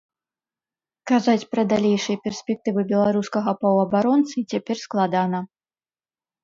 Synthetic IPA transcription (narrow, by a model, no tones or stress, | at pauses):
kazat͡sʲpɾɐd̪alʲejʂɨjɐpʲɛrsʲpʲɛk̚t̪ɨvɨbʲɛlˠaɾuskɐɣɐpɐwɐbaɾɔnt̪sɨt͡sʲapʲɛrsklˠad̪anɐ